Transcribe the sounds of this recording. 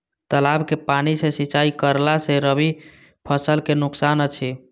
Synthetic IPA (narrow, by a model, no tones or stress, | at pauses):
t̪əlabkepanisesit͡ʃaikəɾlaseɾəbi | pʰəsəlkenʊksanət͡ʃʰi